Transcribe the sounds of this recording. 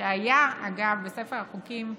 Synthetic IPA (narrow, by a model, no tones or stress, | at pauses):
eajaa̰ɡavbesefeʁaχukim